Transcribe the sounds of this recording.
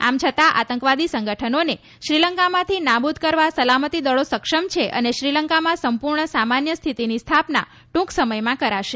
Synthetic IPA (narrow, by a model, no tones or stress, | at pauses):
a̰mt͡ʃʰət̪aʔa̰t̪əŋkʋad̪isəŋɡəʈʰənone | ʃɾiləŋkamãt̪ʰinabud̪ʱkəɾʋasəlamət̪id̪əɭosəkʂəmt͡ʃʰeʔə̰neʃɾiləŋkamãsəmpuɾɳəsamanjəst̪ʰit̪inist̪ʰapna̰ | ʈũksəməjmãkəɾaʃe